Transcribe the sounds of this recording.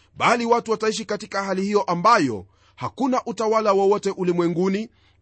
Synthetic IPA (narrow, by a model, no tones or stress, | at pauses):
ɓaliwatuwataiʃ̬ikatikahalihijɔʔambajɔ̰ | hakunaʔutawalawɔwɔtɛʔulimwɛŋɡuni